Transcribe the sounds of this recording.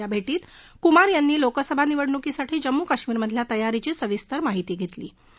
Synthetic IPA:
abʱeʈiːt̪kumaɾjanːiːlokəsəbʱaniʋəɽɳukisaʈʰiːd͡ʑəmːukəɕmiːɾməd̪ʱljat̪əjaɾit͡ɕiːsəʋist̪əɾmaɦit̪iːɡʱet̪lḭː

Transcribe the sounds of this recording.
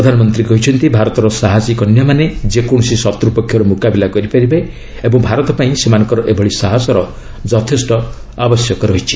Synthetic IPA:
pɾɔd̪ʱanɔmɔnt̪ɾikɔɦit͡ʃʰɔnt̪ibʱaɾɔt̪ɔɾɔsaɦasikɔnjɔmaned͡ʒekɔɽ̃ɔsisɔt̪ɾupɔkʰjɔɾɔmukabilakɔɾipaɾibe | ebɔŋbʱaɾɔt̪ɔpaĩsemanɔŋkɔɾɔʔebʱɔɭisaɦasɔɾɔ | d͡ʒɔt̪ʰesʈɔ | abɔsjɔkɔɾɔɦit͡ʃʰi̥

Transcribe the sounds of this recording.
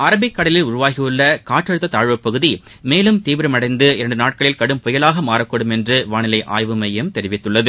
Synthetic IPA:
aːɾɐbɪkːɐɽɐlɪlʊɾʊʋaːɣɪjɯɭːɐkaːʈːɐɻɯt̪ːɐt̪aːɻʋɐpːɐɣɯði | meːlɯmt̪iːʋɐɾɐmɐɽɐɪnd̪ɯɪɾɐɳɖɯnaːʈ̚kɐɭɪlkɐɽɯmpɔjɐlaːɣɐmaːɾɐkːɐɽɯmɛndrɯʋaːnɪlɐɪʔa̰ːjʋɯmɐjɐmt̪ɛɾɪʋɪt̪ːɯɭːɐðɯ

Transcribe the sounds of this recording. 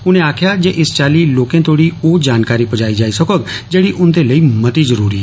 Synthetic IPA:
ʊnẽaːkʰjad͡ʒeʔɪst͡ʃaːliloːkẽt̪oːɽioːd͡ʒaːnkaːɾipəd͡ʒaːid͡ʒaːisɐkoɡd͡ʒeːɽiʔʊnd̪eləimɐt̪izəɾuːɾiɦɛ̰

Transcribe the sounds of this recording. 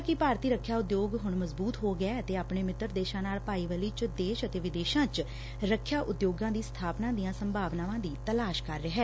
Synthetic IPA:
kɪpaːɾt̪iːɾəkʰːjaːʊd̪joːɡɦʊɳməzbuːt̪ɦoːɡəɛːət̪eːaːpɳeːmɪt̪ːəɾd̪eːʃãːnaːlpaːiːʋəliːt͡ʃd̪eːʃət̪eːʋɪd̪eːʃãːt͡ʃ | ɾəkʰːjaːʔʊd̪joːɡãːd̪iːst̪ʰaːpnãːd̪ijãːsəmbʱaːʋnãːʋãːd̪iːt̪əlaːʃkəɾːeɦɛː

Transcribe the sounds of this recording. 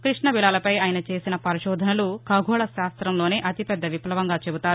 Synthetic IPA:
kɾiʂɳɐbilaːlɐpɐjaːjɐnɐt͡ʃe̞ːsinɐpɐɾiʃɔːd̪ʱɐnɐlukɐɡʱɔːɭɐʃaːst̪ɾɐmlo̞ːneːʔɐt̪ipɛd̪ːɐʋiplɐʋɐŋɡaːt͡ʃebut̪aːɾu

